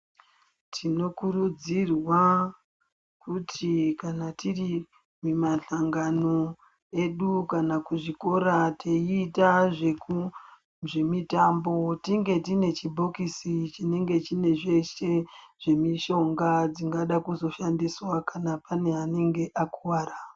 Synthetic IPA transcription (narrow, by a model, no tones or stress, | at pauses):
tʰino̞kurud͡zirwa | kutʰikanatiri | mumaɬaŋɡano̞ | e̞ɗukanakuʐiko̞ɾateitaʐe̞ku | ʐe̞mitambo̞tiŋɡe̞tine̞t͡ʃibʱo̞kisit͡ʃine̞ŋɡe̞t͡ʃine̞ʐe̞ʃe̞ʐ̥e̞miʃo̞ŋɡad͡ziŋɡaɗakuzo̞ʃandiswakanapane̞ɦane̞ŋɡe̞ʔakuwaːra